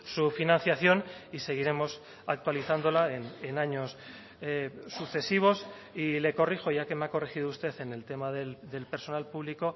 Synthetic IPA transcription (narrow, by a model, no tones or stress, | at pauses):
sufinãn̟θjaθjo̞nise̞ɣ̞iɾe̞mo̞s | ak̚t̪waliθand̪o̞laenenaɲo̞s | uθe̞siβ̞o̞s | ile̞ko̞rixo̞ʝake̞meako̞rexið̞oust̪e̞θe̞nelt̪e̞maðeld̪e̞lpeɾso̞nalpuβ̞liko̞